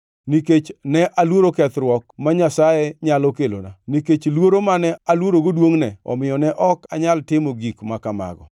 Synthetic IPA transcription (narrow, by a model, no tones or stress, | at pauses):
niket͡ʃnɛʔalwoɾokɛt̪ɾwɔk̚maɲasajɛɲalɔkelo̰na̰niket͡ʃlwoɾomanɛalwoɾoɡodwoŋnɛɔ̰mɪjɔnɛʔɔkaɲaltɪmoɡikmakama̰ɡɔ̰